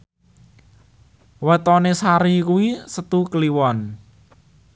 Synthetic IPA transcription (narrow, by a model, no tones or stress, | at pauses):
wɛt̪ɔnesaɾikuwisət̪ukəliwɔn